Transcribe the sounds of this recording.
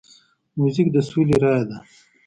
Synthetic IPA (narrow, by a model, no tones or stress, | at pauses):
muzik̚d̪əsuliɾɑjad̪a